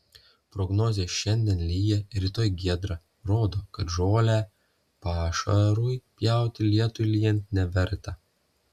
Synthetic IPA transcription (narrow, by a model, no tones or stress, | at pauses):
pɾɔɡnoːzʲeːʃʲɛnʲd̪ʲiɛnlʲiːjɛɾʲiːt̪oːjɡʲiɛd̪ɾɑ | ɾoːd̪oːkɐt̪ʒoːlʲæː | pɑːʃɐ̰ɾuːjpʲjæˑʊt̪ʲɪlʲiɛt̪ʊjlʲijɛnnʲɛʋʲɛɾt̪ɐ